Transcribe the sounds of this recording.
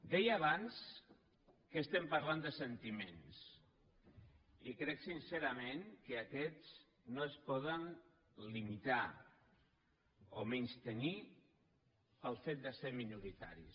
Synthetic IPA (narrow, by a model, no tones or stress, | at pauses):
d̪ɛjaβans | kəːst̪ɛmpəɾland̪əsənt̪imens | ikɾɛksinseɾamẽŋkəakɛt͡s | noəspɔðən | limit̪a | o̰meɲst̪əni | pəlˠfet̪̚d̪əseɾminuɾit̪a̰ɾḭs